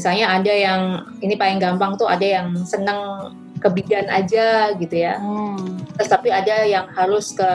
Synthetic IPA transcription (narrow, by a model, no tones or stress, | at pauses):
misalɲaːdajaŋ | inipaɪŋɡampaŋt̪ua̰dajaŋsənəŋ | kəbiɡana̰d͡ʒaɡit̪uja | t̪əst̪apiadajaŋhaɾʊskə